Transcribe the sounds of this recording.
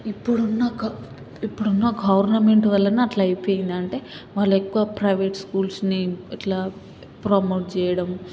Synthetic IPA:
ipːuɽunːɐɡ | ipːuɽunːɐɡɐʋɐɾnɐme̞ɳʈʋɐlːɐniɐʈlɐɐjpo̞ːjind̪ɐɳʈe̞ːʋaːɭːɐekːuʋapɾɐjʋeːʈskuːlsniɛʈlaː | pɾomoːʈ̚t͡ʃɛːjɐɽɐm

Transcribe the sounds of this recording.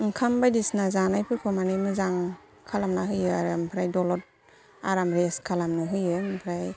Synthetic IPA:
ŋkʰambajdisnazanajpʰɯɾkʰɯmanɯjmɯzaŋ | kʰalamnaɦɯjɯaɾɯmpʰɾajdɔlɔt̚ | a̰ɾamɾeskʰalamnɯɦɯjɯmpʰɾaj

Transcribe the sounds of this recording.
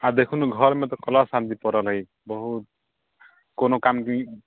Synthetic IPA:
ad̪ekʰunɡʱɔɾmet̪̬ɔkɔlasant̪ipɔɾɔlʌi | bɔɦut̪̚ | konokamki

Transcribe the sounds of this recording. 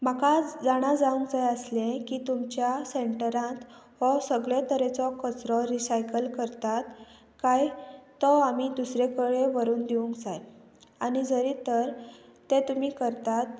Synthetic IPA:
makad͡zaɽ̃ad͡zaũŋkd͡zajəslẽkiːt̪umt͡ɕjaseʈəɾãt̪ | ɦɔsəɡɭet̪əɾet͡sɔkət͡sɾɔɾisajkəlkəɾt̪at̪ | kajt̪ɔamid̪usɾekəɭeʋəɾuːnd̪iũŋkd͡zaj | añid͡zəɾit̪əɾt̪et̪um̤iːkəɾt̪at̪̚

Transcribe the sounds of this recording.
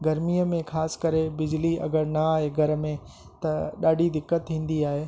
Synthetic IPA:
ɡɐɾmijəmẽxaːskɐɾebɪd͡ʑliɐ̰ɡəɾnɐaːɦeɡʱɐɾə̆mẽ | t̪ɐɗaːɖʱid̪ɪkːət̪ɦĩːn̆d̪iaːɦeː

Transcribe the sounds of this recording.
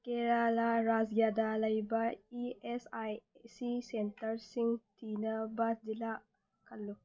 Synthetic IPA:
keɾalaɾazɡjaːd̪alɐjbaiesajsisentɐɾsiŋt̪ʰinɐbasd̪ila | kʰɐlːu

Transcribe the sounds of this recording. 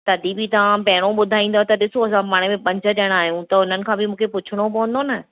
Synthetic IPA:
t̪ɐd̪ʱibɪt̪ɐʋ̤ãpɐɦɪɽ̃oɓʊd̪ʱaːĩːn̆d̪ot̪ɐɗɪsoɐsãpaːɽ̃emẽpɐ̃ɲd͡ʑə̆ɗɐɽ̃aːɦijũt̪ɐʊn̤ənɪ̆kʰãːbɪmũːkʰepʊt͡ɕʰʊɽ̃opɐʋə̃nd̪onɐ

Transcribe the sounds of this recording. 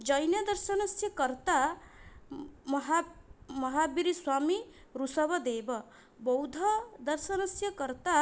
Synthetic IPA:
d͡ʒʌjnjʌd̪ɐɾsənɐsjɐkɐɾt̪a | mɦamʌɦabiɾiswaːmi | ɾusʌbʌd̪eːbʌ | bɔwd̪ʱɐd̪ɐɾsɐnɐsjɐkɐɾt̪a

